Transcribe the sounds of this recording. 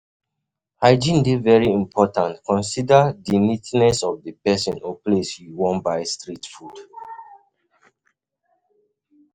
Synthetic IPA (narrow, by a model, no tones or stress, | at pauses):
haɪd͡ʒĩndevɛɹiĩmpʰɔtãntkʰɔ̃nsidadinitnɛsɔvdəpɛsɔ̃nʔoplesjiwɔ̃nbaɪstɹitfud